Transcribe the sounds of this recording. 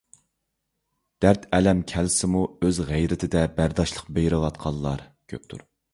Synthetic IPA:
d̪̥æɾt̪ʰɛlɛmkʲʰɛlsɪmuøzʁæjɾɪt̪ʰɪd̪ɛbæɾd̪ɑʃlˠəqbejɾɨlˠɑt̪̚qʰɑlˠːɑɾkʲʰø̰p̚t̪ʰṵɾ

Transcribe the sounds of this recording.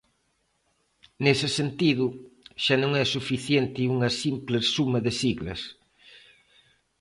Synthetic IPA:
nesɪsent̪iðʊʃanõŋɛsufiθjent̪ɪuŋɐsimplesumɐðɪsiɣlɐ̰s

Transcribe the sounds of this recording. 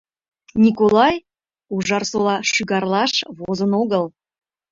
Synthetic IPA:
nʲikolˠɑj | uʒɑrsolˠɑʃyɣɑrlˠɑʃβozənoɣəl

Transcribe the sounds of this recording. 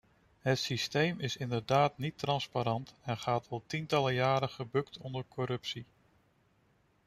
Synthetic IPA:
ɦətsistejmɪsɪndəɹdaːtnitrɑnspaɾɑntɛnχaːtʰɑlˠtintɑləjaːɾəχəbɵktʰɔndəɹkʰɔɾɵpsi

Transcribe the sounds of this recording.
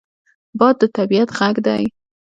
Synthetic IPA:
bɑd̪ːət̪abiat̪ɣaɡd̪aj

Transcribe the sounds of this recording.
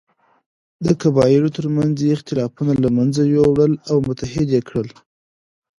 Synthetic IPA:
d̪əkabɑjɪɾot̪əɾmanzeɪxt̪ɪlɑfunalamanzajowɽəlawmʊt̪aɦɪd̪jekɽəl

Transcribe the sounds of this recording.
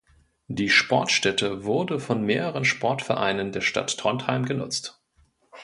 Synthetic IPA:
d̥iːʃpʰɔɐtʃtɛtʰəvʊɐdəfɔnmeːʁəʁ̞ənʃpʰɔɐtfɛɐʔaɪnəndeːɐʃta̰tːʁ̥ɔnthaɪmɡənʊ̰t͡st

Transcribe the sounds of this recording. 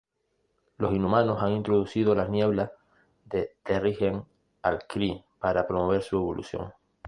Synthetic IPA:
lo̞sinumãno̞saŋint̪ɾoðusið̞olaznje̞β̞lah | ðe̞t̪eriheŋ | alkɾipaɾapɾo̞mo̞β̞e̞ɾsue̞βo̞lʔṵsjo̞̰ŋ

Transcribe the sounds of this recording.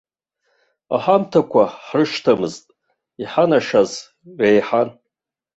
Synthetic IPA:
a̰ħamtʰakʷʰaħrɨʂtʰamɨztʼ | iħanaʂaz | ɥʷejħan

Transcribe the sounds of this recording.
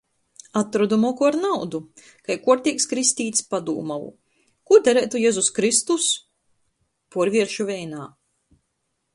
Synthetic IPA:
at̪ɾɔd̪umɔkuaɾnawd̪u | kajkuɔɾt̪ʲikskɾisʲt̪ʲiːt̪spad̪ṵːmalˠṵ | kuɔd̪ɛɾɛːt̪ujɛzuskɾist̪us | puɔɾvʲiɛɾʃuvʲɛjnaː

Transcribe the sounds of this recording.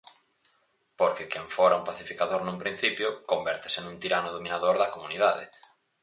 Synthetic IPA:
poɾkɪkẽɱfoɾauŋpaθifikaðoɾnũŋpɾĩn̟θipjʊkombɛɾt̪ɪ̥senũnt̪iɾanʊðomĩnaðoɾðɐkomunið̞aðɪ̰

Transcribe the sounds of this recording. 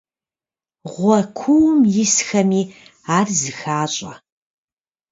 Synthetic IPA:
ʁʷɐkʷʰuwmjɪsxɐmiː | aːrzɨxaːɕʼɐ

